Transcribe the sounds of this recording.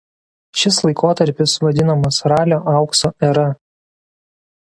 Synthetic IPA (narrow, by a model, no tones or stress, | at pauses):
ʃʲɪslˠɐɪkoːt̪ɐɾʲpʲɪsʋɐd̪ʲɪnɐmɐsɾɑːlʲoːʔɑˑʊksoːʔɛɾɐ